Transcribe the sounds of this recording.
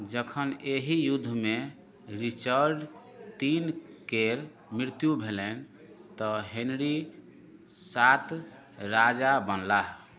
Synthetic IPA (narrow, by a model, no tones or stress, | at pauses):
d͡ʒəkʰəneɦijud̪ʱːme | ɾit͡ʃəɾɖ | t̪inkeɾ | mɾiɾt̪jubʱelɛn | t̪ɔɦenɾi | sat̪ | ɾad͡ʒabənlaɦ